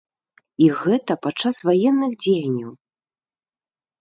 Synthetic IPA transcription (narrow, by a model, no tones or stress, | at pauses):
iɣɛt̪ɐpat͡ʂːasvajɛnːɨxd͡zʲejɐnʲːɐw